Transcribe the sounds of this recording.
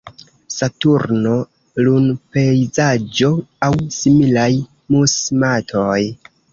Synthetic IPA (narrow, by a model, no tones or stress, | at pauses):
satuɾno | lunpe̞jzad͡ʒo̞awsimilaj | musmatʰoj